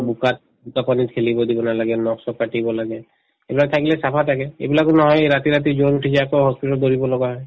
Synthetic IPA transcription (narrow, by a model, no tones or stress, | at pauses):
bukat̪̚ | bukapanikʰelibɔd̪ibɔnalaɡɛnɔksɔkpaʈibɔlaɡɛ | ebilak̚t̪ʰakilɛsapʰat̪ʰakɛḛbilakɔnɔɦɔjɾat̪iɹat̪̬izonuʈʰisɛakɔɦɔspitɔld̪oɹibɔlɔɡaɦɔj